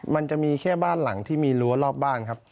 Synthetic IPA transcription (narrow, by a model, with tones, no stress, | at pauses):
ma˧nt͡ɕa˨˩ʔmiː˧kʰɛː˥˩baː˥˩nla˩˦ŋt̪ʰiː˥˩miː˧lu˦˥ɐlɔː˥˩p̚baː˥˩nkʰa˦˥p̚